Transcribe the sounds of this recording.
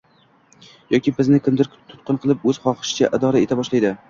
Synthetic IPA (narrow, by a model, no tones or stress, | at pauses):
jɒkʲʰibɪznɪkʲʰɪmd̪ɪɾt̪ʰʊ̥t̪qɨnqʰɨlˠɪpɵz̥χɒqɨ̥ʃɪ̥t͡ʃʰaʔɪd̪ɒɾae̞t̪ʰabɒʃlajd̪ɪ